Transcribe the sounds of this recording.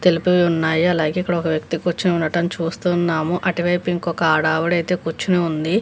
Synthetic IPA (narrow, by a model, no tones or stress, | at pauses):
t̪e̞lipɐʋiunːaːjɐlaːɡe̞ːikːɐɽɐɔkɐʋjɐk̚t̪ikut͡ʃːineunːɐʈɐnt͡ʃuːst̪unːaːmuʔɐʈiʋɐjpiŋkɔkɐaːɽaːʋuɽɐjt̪e̞ːkut͡ʃːineund̪i